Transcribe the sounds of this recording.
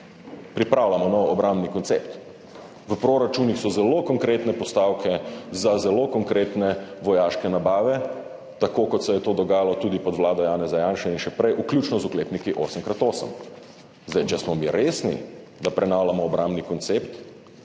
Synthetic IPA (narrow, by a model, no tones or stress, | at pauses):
pɾipɾawlamɔnɔwɔbɾambnikɔnt̪sept̪ | ʋəpɾoɾat͡ʃuːnixsɔzɛlokɔŋkɾeːt̪nɛpɔst̪aːwkʰɛzazɛlokɔŋkɾeːt̪nɛʋɔjaːʃkɛnabaːʋɛ | t̪akoːkɔt̪sɛjɛt̪oːd̪ɔɡaːjalɔt̪ud̪ipɔd̪ʋlaːd̪ɔjaːnɛzajaːnʃɛinʃɛpɾɛjʔuklʲjuːt͡ʃnɔzukleːpnikiʔoːsəmkɾat̪oːsə̰m | zd̪ajt͡ʃɛsmɔmiɾeːsnḭ | d̪apɾɛnaːwlamɔːbɾãmbnikɔnt̪sept̪